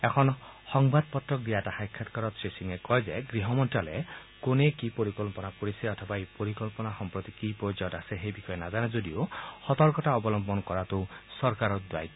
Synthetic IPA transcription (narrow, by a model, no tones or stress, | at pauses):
ekʰɔnhɔŋbad̪̚pɔt̪ɾɔk̚d̪ijatahajkʰːat̪kɔɾɔt̪sesiŋekɔjzaɡɾiɦɔmɔnʈalekonekipoɾikɔlpɔnakoɾiseɔt̪ʰɔbaejpoɾikɔlpɔnaxɔmpɾɔt̪ikipɔd͡ʒɔtaseɦejbixɔjenazanezod̪iohɔt̪ɔɾkɔtaɔbɔlɔmbɔnkɔɾat̪usɔɾkaɾɔt̪̚d̪wa̰j